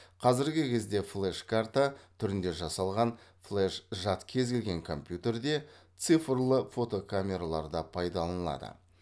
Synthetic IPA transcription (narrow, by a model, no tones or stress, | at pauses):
qʰɑzɪɾɡʲɪkʲʰe̞zd̪e̞flˠeʃkʰart̪at̪ʰʏɾɪnd̪e̞ʒɑsɑlˠʁɑnflˠeʃʒɑt̪kʲʰe̞zɡʲelɡʲe̞ŋkʰo̞mpjut̪e̞rd̪e̞t̪sɨfrlˠəfo̞t̪o̞kʰamʲe̞ɾalˠɑɾd̪ɑpʰɑjd̪ɑlˠɑnəlˠɑ̰d̪ə̰